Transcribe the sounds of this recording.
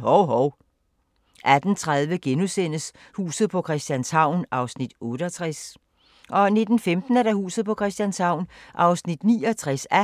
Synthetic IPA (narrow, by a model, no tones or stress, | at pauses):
hɒʊɦɒʊ | ʔæd̥n̩t͡sʰʁaðˠʋəɡ̥enusen̰əs | hṵːsð̩ˠpʰɒ̽kʰʁɛsd̥jænshɑ̈ʊ̰nʔɑ̈ʊsnid̥ɔ̽ːɾ̥əɒt͡sʰʁɛs | ʔɒ̽ne̝d̥n̩femd̥n̩æɾ̥æhṵːsð̩ˠpʰɒ̽kʰʁɛsd̥jænshɑ̈ʊ̰nʔɑ̈ʊsnid̥nḭːɒ̽t͡sʰʁɛsæ